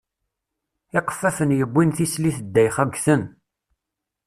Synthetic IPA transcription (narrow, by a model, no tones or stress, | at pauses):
ɪqə̥fːæfənjəbʷːinθisliθəd̪ːæjχæɡθən